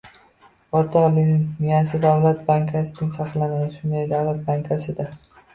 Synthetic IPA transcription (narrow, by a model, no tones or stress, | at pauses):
ɒɾt̪ʰɒlinɪŋmijasɪd̪avlat̪̚baŋkʲʰasɪnɪŋsaχlanad̪ɪʃʊnd̪ajd̪awlat̪̚baŋkʲʰasɪd̪a